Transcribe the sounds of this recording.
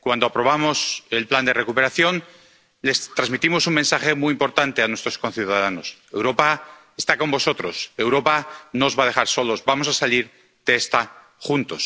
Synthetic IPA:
kwand̪o̞apɾo̞β̞amo̞se̞lpland̪e̞re̞kupe̞ɾaθjo̞n | le̞st̪ɾazmit̪imo̞suŋmensaχe̞muiimpo̞ɾt̪ant̪e̞anwe̞st̪ɾo̞sko̞nθjuðaðano̞se̞wɾo̞pa | est̪ako̞mbo̞so̞t̪ɾo̞se̞wɾo̞panozβað̞e̞χaɾso̞lozbamo̞sasaliɾ | d̪̥eest̪a | χunt̪os

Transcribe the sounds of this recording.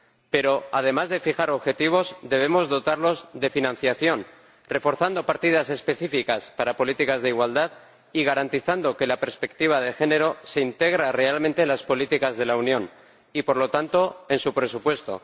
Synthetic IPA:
pe̞ɾo̞að̞e̞mazðe̞fixaɾo̞βxe̞t̪iβ̞o̞zd̪e̞β̞e̞mo̞zðo̞t̪aɾlo̞zðe̞finãn̟θjaθjo̞n | re̞fo̞ɾθand̪o̞paɾt̪ið̞ase̞spe̞θifikaspaɾapo̞lit̪ikazðeiɣwald̪að | iɣ̞aɾant̪iθand̪o̞ke̞lape̞ɾspe̞k̚t̪iβ̞aðexe̞ne̞ɾo̞se̞int̪e̞ɣ̞ɾare̞almẽnt̪e̞nlaspo̞lit̪ikazðe̞launjõ̞n | ipo̞ɾlo̞t̪ant̪o̞e̞nsupɾe̞supwe̞st̪o̞̰

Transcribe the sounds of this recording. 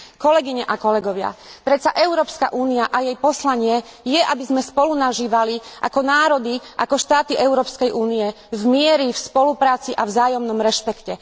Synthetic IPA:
kɔlɛɡiɲɛʔakɔlɛɡɔʋɪa̰pɾɛt̪t͡saʔɛʊɾɔːpska̰ʔuːniaʔajɛjpɔslaɲɪɛ | jɛʔabizmɛspɔlunaʒiːʋaliʔa̰kɔnaːɾɔd̪iʔa̰kɔʃt̪aːt̪iʔɛʊɾɔːpskɛjʔuːnijɛ | vmɪɛɾifspɔlupɾaːt͡siʔavzaːjɔmnɔmɾɛʃpɛkcɛ

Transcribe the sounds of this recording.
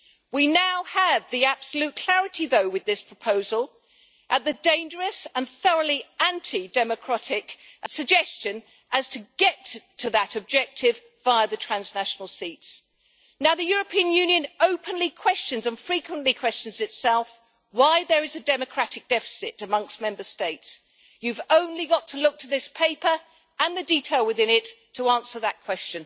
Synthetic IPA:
winaʊəvðiæb̥səlʉt̚kʰl̥æɹɨɾiðoʊwɨðɪspʰɹ̥əpʰoʊzəlˠ | ʔət̪̚ðɨdẽɪ̃nd͡ʒə˞ɨsə̃nθʌɹʊlˠiæ̃ntʰidɛmɨkʰɹ̥æɾɪkɨsɨɡ̚d͡ʒɛst͡ʃɨ̃n | ʔɨz̥tʰɨɡɛtʰɨðəɾɨb̚d͡ʒɛk̚tʰɪv | vaɪəðɨtʰɹ̥æ̃nznæʃn̩l̩ˠsits | naʊðɨjʊɹəpʰĩɨ̃njʉ̃njɨ̃noʊpʰɨ̃nlikʰw̥ɛst͡ʃɨ̃nzə̃nfɹikwə̃nʔlikʰw̥ɛst͡ʃɨ̃n̩zɨtsɛlˠf | waɪðə˞ɨzɨdɛmɨkʰɹ̥æɾɨk̚d̥ɛfɨ̥sɪɾɨmʌ̃ŋkst̚mɛ̃mbə˞steɪts | jʉvõʊ̃nliɡɑtʰəlʊk̚tʰəðɪspʰeɪpə˞ | ə̃nðɨditʰeɪlˠwɨðɪ̃nɪtʰəɑ̃nsə˞ðət̚kʰw̥ɛst͡ʃɨ̃n

